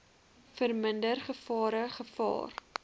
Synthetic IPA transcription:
fərməndərχəfɑːɾəχəfɑ̰ːr

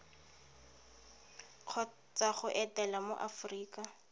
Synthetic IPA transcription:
q͡χʰɔ | t͡sʼaχʊʔɛtɛlamo̰ʔafriːkʼa

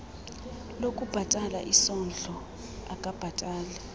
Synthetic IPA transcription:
lokʼub̥ʱatʼala̰ʔisɔnd͡ɮʱɔ | akʼab̥ʱatʼaːlɛ

